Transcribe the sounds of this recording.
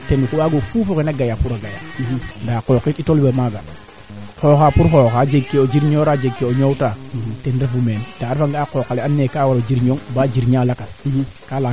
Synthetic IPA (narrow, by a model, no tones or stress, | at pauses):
tenukuwaɡofufokenaɡajapuɾaɡaja̰ndaːkoːkititolbemaɡa | xoːxaːpuɾxoxad͡ʒeɡkːeod͡ʒiɾɲoːɾad͡ʒeɡkːeoɲowtatenɾafumeːnd̥aːɾfaŋɡakokːaleanːeːkaːwaɾod͡ʒiɾɲoŋbaːd͡ʒiɾɲaːlakaskala